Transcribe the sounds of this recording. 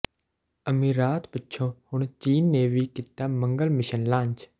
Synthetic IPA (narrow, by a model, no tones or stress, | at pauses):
əmiːɾaːt̪pətːʃʰõːhʊɳ̃t͡ʃiːnːeːʋiːkɪt̪ːaːmə̃ŋɡəlmɪʃənlãːɲt͡ʃ